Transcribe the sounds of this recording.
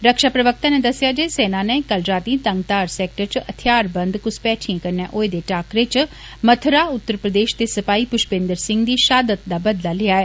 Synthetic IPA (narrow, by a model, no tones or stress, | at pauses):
ɾəkʃaːpɾəʋək̚t̪ãːneːd̪əsɪjaːd͡ʒeːsɛːnaːneːkəlɾaːt̪iːt̪ə̃ŋɡt̪aːɾsɛːk̚ʈəɾt͡ʃət̪ʰɪjaːɾbə̃nd̪kʊspɛːʈʰiãːkəɾnjãːʔoːed̪eːʈaːkɾɪt͡ʃ | mət̪ʰɾaːʊt̪ːəɾpɾəd̪eːʃt̪eːsəpaːiːpʊʃbẽːnd̪əɾsɪŋɡd̪iːʃaːd̪ət̪̚d̪aːbəd̪laːlɪaːɛː